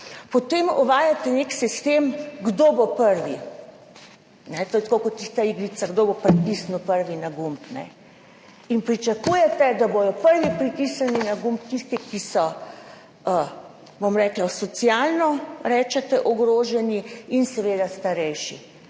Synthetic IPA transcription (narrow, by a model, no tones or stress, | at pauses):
pɔt̪emɔʋaːjat̪ɛneksist̪eːmɡd̪oːbopəɾʋi | nɛt̪ojɛt̪kokɔt̪ːist̪aiɡɾit̪saɡd̪oːbopɾik̪isnupəɾʋinaɡumpnɛ̰ | inpɾit͡ʃakuːjɛt̪ɛd̪abojɔpəɾʋipɾit̪isaninaɡumpt̪ist̪ikisɔ | ə | bomɾɛːklasɔt̪sjalnɔɾɛːt͡ʃɛt̪ɛʔɔɡɾoːʒɛniinsɛʋeːd̪ast̪aɾɛjʃḭ